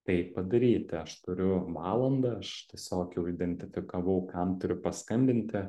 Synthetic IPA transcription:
t̪ɐɪpɐd̪ɐɾʲiːt̪ʲɪɐʃt̪ʊɾʲʊʋɑːlˠɐnd̪ɐɐʃt̪ʲiɛsʲoːkjɛʊɪd̪ʲɛnʲt̪ʲɪfʲɪkɐʋɐʊkɐmt̪ʊɾʲʊpɐskɐmʲbʲɪnʲt̪ʲɪ

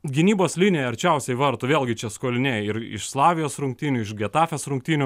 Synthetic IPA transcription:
ɡʲɪnʲiːboːslʲɪnʲejɛɐɾʲt͡ʃʲɛʊsʲɛɪʋɐɾt̪ʊʋʲeːlʲˠɡʲɪt͡ʃʲɛskoːlʲɪnʲeːjɪɾɪ̰ʃslˠɑːʋʲɪjoːsɾʊŋk̚t̪ʲiːnʲʊɪʃɡʲɛt̪ɑːfʲesɾʊŋk̚t̪ʲiːnʲʊ

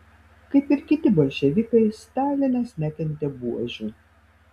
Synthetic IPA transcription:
kɐɪpɪɾkʲɪt̪ʲɪbɐlʲʃʲɛʋʲikɐɪst̪ɑːlʲɪnʲɛsnʲæt̪ʲɛnʲt̪ʲɛbuɔʒʲu

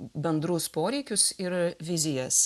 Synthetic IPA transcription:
bʲɛnd̪ɾʊspoːɾʲɛɪkʲʊsɪɾʋʲɪzʲɪjɛs

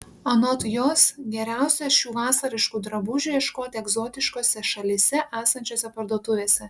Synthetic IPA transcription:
ɐnɔt̪joːsɡʲɛɾʲæˑʊsʲɛʃʲuːʋɑːsɐɾʲɪʃkuːd̪ɾɐbʊʒʲuːjɛʃkoːt̪ʲɛɡzoːt̪ʲɪʃkoːsʲɛʃɐlʲisʲɛʔæːsɐnʲt͡ʃʲoːsʲɛpɐɾd̪uɔt̪ʊʋʲeːsʲɛ

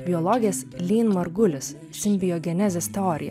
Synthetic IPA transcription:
bʲɪɔlˠɔɡʲɪjɛslʲiːnmɐɾɡʊlʲɪs | sʲɪmʲbʲɪjɔɡʲɛnʲæzʲɛst̪ʲɛɔɾʲʔɪ̰jɛ̰

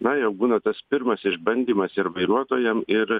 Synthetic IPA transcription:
nɐjɛʊbuːnɐt̪ɐspʲɪɾmɐsɪʒbɐnʲd̪ʲiːmɐsɪɾʋɐɪɾuɔt̪oːjɛmɪɾ

